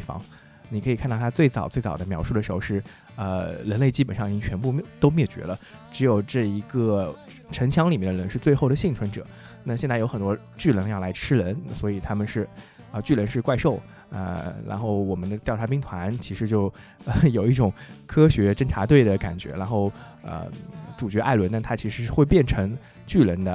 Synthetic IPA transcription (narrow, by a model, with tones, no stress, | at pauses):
e˥˩ɪfɑ̰˧˥ŋ | ni˨˩ɤ˧˥i˨˩kʰnt̪ɑ˥˩t̪ʰa˥t͡swe˥˩ɪt͡sɑ˨˩ʊt͡swe˥˩ɪt͡sɑ˨˩d̪ə˦mjɑ˧˥ʊʂu˥˩d̪ə˩ʂɻxo˥˧ʂɻ̩˥˩ | ə̰˧ɻə˧˥nle˥˧ɪt͡ɕi˥pə˨˩nʂɑ˥˩ŋi˩t͡ɕi˥ŋt͡ɕʰɥɛ˧˥npu˥˧˥t̪o˥ʊmjɛ˥˩t͡ɕɥɛ̰˧˥lə˧ | ʈ͡ʂɻ̩˧˥jo˨˩ʊʈ͡ʂɤ˥˩i˧˥ɡə˧ | ʈ͡ʂʰə˧˥nt͡ɕʰjɑ˧˥ŋli˨˩mjɛ˥˩nd̪ə˧ɻə˧˥nʂɻ̩˥˧t͡swe˥˧ɪxo˥˩ʊɾə˩ɕi˥˩ŋʈ͡ʂʰwə˧˥nʈ͡ʂɤ̰˨˩˦ | na˥˧ɕ̬jɛ˥˧nt͡sa˥˩ɪjo˧˥ʊxə˨˩t̪wɔ˥ | t͡ɕy˥˩lə˧˥ŋjɑ˥˩ʊla˧˥ɪʈ͡ʂʰɻ̩˥ɻə˧˥nswɔ˧˥i˨˩t̪ʰa˥mə˨nʂɻ̩˥˩ | ə˧t͡ɕy˥˩lə˧˥nʂɻ̩˥˧kwa˥˧ɪʂo˥˩ʊ | ə̰˧ɻa̰˧˥nxo˥˩ʊwɔ˨˩mə˦nd̪ə˧t̪jɑ˥˩ʊʈ͡ʂʰpi˥ŋt̪ʰwa˧˥nt͡ɕʰi˧˥ʂɻ̩˧˥t͡ɕjo˥˩ʊ | ə˧jo˨˩ʊi˥˩ʈ͡ʂʊ˨˩ŋkʰɤ˥ɕɥɛ˧˥ʈ͡ʂə˥ŋʈ͡ʂʰa˧˥t̪we˥˩ɪd̪ə˩ka̰˨˩nt͡ɕɥɛ̰˧˥ɻa˧˥nxo˥˩ʊ | ə̰˧ʈ͡ʂu˨˩t͡ɕɥɛ˧˥ʔa̰˥˩ɪlwə˧˥nt̪a˥˧˩t̪ʰa˥t͡ɕʰi˧˥ʂɻ̩˧˥˩xwe˥˧ɪpjɛ˥˩nʈ͡ʂʰɤ˧˥ŋ | t͡ɕy˥˩lə˧˥nd̪ə˧